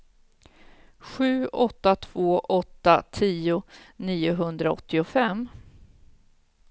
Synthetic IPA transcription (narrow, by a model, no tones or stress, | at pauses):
ɧʉ̟ːɔt̪ːat̪ʰv̥oːʔɔt̪ːat̪ʰiːʊniːʊɦɵnd̪ɾaɔ̰t̪ːɪʊfɛm